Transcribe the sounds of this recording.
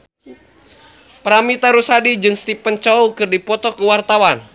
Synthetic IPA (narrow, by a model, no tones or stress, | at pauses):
pəɾamit̪aɾusadid͡ʒɨŋst̪ipənt͡ʃaukɨrdipɔt̪ɔkəwart̪awan